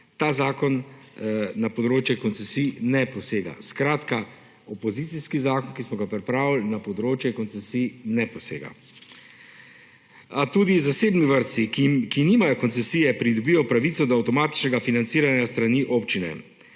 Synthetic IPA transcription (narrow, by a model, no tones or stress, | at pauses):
t̪aːzaːkɔnː | apɔd̪ɾoːt͡ʃjɛkɔnt̪sɛsiːnɛpɔseːɡa̰skɾaːt̪ka | ɔpɔzit̪siskizaːkɔnkismɔɡapɾɛpɾaːʋilnapɔd̪ɾoːt͡ʃjɛkɔnsɛsiːnɛpɔsḛːɡa̰ | at̪uːd̪izaseːbniʋəɾt̪sikimkiniːmajɔkɔnt̪ɛsijɛpɾid̪ɔbiːjɔpɾaʋit̪sɔd̪ɔːwt̪ɔmaːt̪i̥t͡ʃnɛɡafinant̪siːɾanjast̪ɾaniːʔopt͡ʃinɛ̰